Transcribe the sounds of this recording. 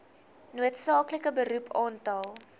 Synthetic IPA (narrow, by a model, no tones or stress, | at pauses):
nuətsɑːkləkəbəɾupʰɑːntɐlˠ